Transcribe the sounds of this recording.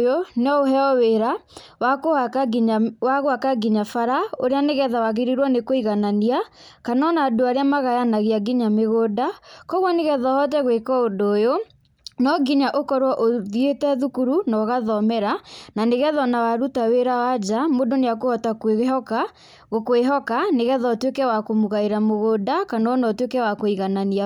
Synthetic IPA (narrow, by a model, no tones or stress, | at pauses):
joneɔoɦɛɔweɾa | wakohaawaɣoakaɡiɲafaɾaoɾeaneɣɛðawaɣeɾiɾwɔnekoiɣanania | kanɔnadoaɾeamaɣajanaɣiaɡiɲameɣoːdakɔɣwɔneɣɛðɔhɔt̬ɛɣwekɔondoːjo | nɔɡiɲaʔokɔɾwɔʔoðietɛðukuɾunɔɣaðɔmɛɾananeɣɛðɔnawaɾutaweɾawad͡ʒamodoneak̬ohɔtakweɣeɦɔka | ɣokweɦɔkaneɣɛðaotwekɛwakomuɣaeɾamoɣoːdakanɔnɔtwekɛwakoiɣanania